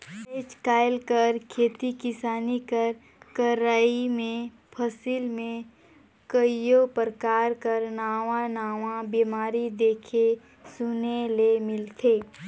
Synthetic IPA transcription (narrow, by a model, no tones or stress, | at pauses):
eːt͡ʃkaːɪlkəɾkʰeːt̪ikɪsaːnikəɾ | kəɾaːimẽ | pʰəsiːlmẽ | kəijopɾəkaːɾkəɾnaːʋãnaːʋãbiːmaːɾid̪eːkʰe | sʊnelemɪlt̪ʰeː